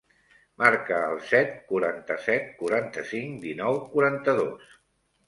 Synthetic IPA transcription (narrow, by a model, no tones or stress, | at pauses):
maɾkəːlˠsɛt̪̚kuɾant̪əsɛt̪̚kuɾant̪əsiŋd̪inɔwkuɾant̪əðos